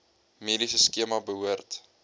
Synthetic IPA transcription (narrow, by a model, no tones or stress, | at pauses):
meːdisəskiəmabəɦuərt